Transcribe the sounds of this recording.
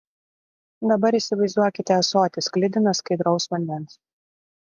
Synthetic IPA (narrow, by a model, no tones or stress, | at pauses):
d̪ɐbɐɾiːˑsʲɪʋɐɪzd̪uɔkʲɪt̪ʲɛsoːt̪ʲɪsklʲɪd̪ʲɪnɐskɐɪd̪ɾɒʊsʋɐnʲd̪ʲɛns